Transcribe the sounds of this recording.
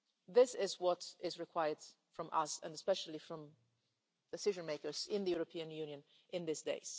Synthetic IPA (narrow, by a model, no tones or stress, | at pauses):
ðɪsɪzwʌtɪzɹɪkʰw̥aɪə˞d | fɹɔ̃mʔʌ̰sə̰̃ndɛspɛʃəl̩ˠifɹɔ̃m | d̪̥ɛsɪʒə̃nmeɪkə˞zɪ̃nðəjuɹopʰiɨ̃njʉnjə̃n | ɪ̃nðɪsdḛɪz̥